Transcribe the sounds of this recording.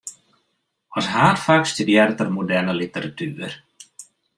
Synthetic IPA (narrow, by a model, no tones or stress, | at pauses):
ɔsɦaːtfaːkstydjɪɾtərmudɛnəlitəɾatʰyːər